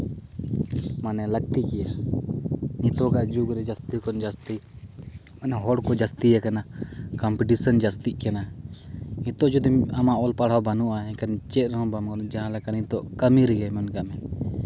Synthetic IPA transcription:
manɛlək̚t̪ikɛja | nĩt̪ɔkaʔd͡ʒuɡɾɛd͡ʒast̪ikɔnd͡ʒast̪i | manɛɦɔɽkɔd͡ʒast̪ijakanakampiʈisənd͡ʒast̪iʔkɛna | it̪ɔʔd͡ʒud̪imamaʔɔlpaɽ̤awbanuʔaɛ̃kant͡ʃɛt̪̚ɾɦɔ̃bamkɔnd͡ʒaɦãlakanĩt̪ɔʔkamiɾiɡajmɔnkamɛ

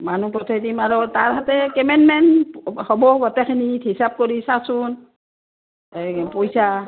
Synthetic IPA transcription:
manupɹɔtʰedimaɹɔtaɹɦatɛkɛmɛnmɛnhɔbɔɡɔtɛkʰinithisab̚koɹisasun | pojsa

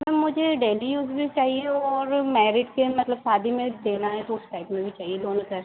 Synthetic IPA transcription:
mɛmʊd͡ʒʱeɖeːlijuːzbʱit͡ʃaːɦieɔːɾmɛːɾɪʈkemɐt̪ləbsaːd̪ʱimẽd̪eːnaɦɛʈ̪uːʈʈaɪpmẽbʱit͡ʃaːɦieloːnkəɾ

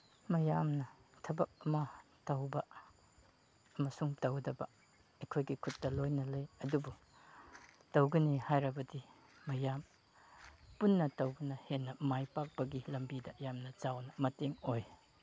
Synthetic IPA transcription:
mɐjamnɐtʰɐbɐk̚ɐmɐ | tɐwbɐ | ɐmɐsuŋtɐwdɐbɐ | ekʰojɡikʰut̚dɐlojnɐlɐjɐdubu | tɐwɡɐnihajɾɐbɐdi | mɐjam | punːɐtɐwbɐnɐhenːɐmajpak̚pɐɡilɐmbidɐjamnɐt͡ʃawnɐmɐteŋoj

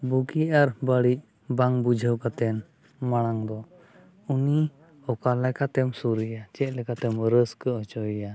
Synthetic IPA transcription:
buɡiaɾbəɽic̚ | baŋbud͡ʒʱəwkat̪ɛn | maɽ̃aŋd̪ɔ | uni | ɔkalɛkat̪ɛmsuɾəjat͡ʃɛc̪̚ˀlɛkat̪ɛmɾəskəɔt͡ʃɔja

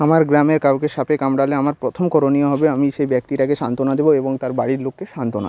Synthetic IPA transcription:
amaɾɡɾameɾkawkeʃapekamɖaleamaɾpɾot̪ʰomkɔɾonioɦɔbeamiʃejbɛk̚t̪iʈakeʃant̪onad̪eboeboŋt̪aɾbaɽiɾlokːeʃant̪ona̰

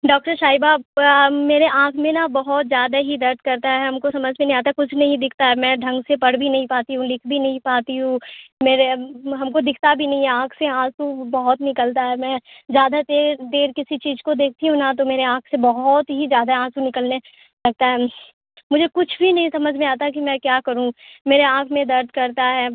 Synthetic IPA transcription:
ɖɔːk̚ʈəɾʃaːibaːmeːɾeʔãːkʰmẽnabɐɦɔt̪zjaːd̪aɦid̪ɐɾt̪̚ʰkɐɾt̪aɦɦɛɦɐmkosɐməd͡ʒʱmẽneɦĩaːt̪aɦɛkʊt͡ʃʰnɐɦĩd̪ɪkʰt̪aɦɛmɛ̃ɖʱɐ̃ŋɡsepɐɽbʱinɐɦĩpaːt̪iɦũlɪkʰbʱinɐɦĩpaːt̪iɦũmeːɾeɦɐmkod̪ɪkʰt̪abʱinɐɦĩɛãːkʰseãːsubɐɦɔt̪nɪkəlt̪aɦɛmɛ̃ːd͡ʒjaːd̪at̪eːd̪eːɾkɪsit͡ʃiːzkod̪eːk̚ʰt̪iɦũnat̪̬omeːɾeãːkʰsebɐɦɔt̪ɦizjaːd̪aãːsunɪkəlne | lɐɡ̚t̪aɦɛ | mʊd͡ʒʱekʊt͡ʃʰbʱinɐɦĩsɐməd͡ʒʱmẽaːt̪ak̬imɛ̃kjaːkɐɾũmeːɾeãːkʰmẽd̪ɐɾd̪ʱkɐɾt̪aɦɛː

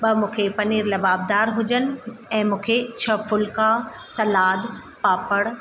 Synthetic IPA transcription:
ɓɐmũːkʰepɐniːɾlɐbaːb̚d̪aːɾɦʊd͡ʑənɪ̆ɛ̃ːmũːkʰet͡ɕʰɐfʊlka | sɐlaːd̪ | paːpəɽ̃

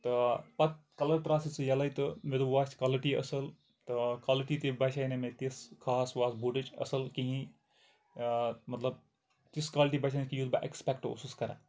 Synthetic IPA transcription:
t̪ɨpɐt̪̚kɐlɐɽt̪ɾaːsɨt͡sɨjɐlɐjt̪ɨmed̪uʋaːsʲkaːliʈiɐ̰sɐl | t̪ɨkwaːliʈit̪ibɐʃʰanemet̪iskʰaːsʋaːsbuʈɨt͡ʃɐ̰sɐlkiɦĩ | mɐt̪lɐb̚ | t̪iskaːliʈibɐt͡ʃʰankijud̪ba̰ʔḛkspɛkʈo̰suskɐɾa̰

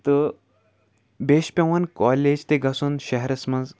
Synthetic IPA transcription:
t̪ə | beɕpʲeʋankɔled͡ʑt̪eɡʱasuːnɕɐɦɾəsmənz

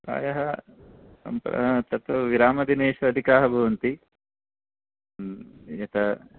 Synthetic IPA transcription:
ka̰ːjɐɦɐ | ɐ̰mpɾɐ̰t̪ɐt̪ʋɐʋiɾaːmɐd̪ineːʃɐːd̪ʱikaːɦɐbʱɐʋɐnt̪i | jɐt̪ɐ

